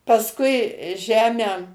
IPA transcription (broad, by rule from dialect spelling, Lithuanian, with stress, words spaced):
pɐsˈkʊɪ ˈʒʲæːmʲæː